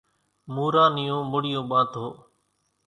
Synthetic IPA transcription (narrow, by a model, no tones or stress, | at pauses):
muːɾaːnɪjõːmʊɽɪjõːɓãːt̪ɦoː